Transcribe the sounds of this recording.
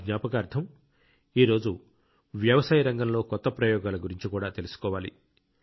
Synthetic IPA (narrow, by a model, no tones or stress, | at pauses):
d̪ɲaːpɐkɐɐɾt̪ʰɐm | iːɾo̞ːd͡ʒu | ʋjɐʋɐsaːjɐɾɐŋɡɐmlo̞ːkɔt̪ːɐpɾɐjɔːɡaːlɐɡuɾiɲt͡ʃikuːɽaːt̪e̞lusu̥kɔːʋaːlḭ